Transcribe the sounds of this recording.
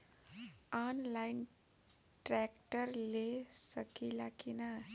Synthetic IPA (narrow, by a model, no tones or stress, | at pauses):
anlajn | ʈɾakʈərlesʌkilakina